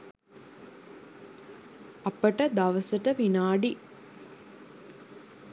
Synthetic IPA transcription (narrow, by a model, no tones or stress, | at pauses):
ɐpəʈəd̪ɐʋəsəʈəʋinaːɖi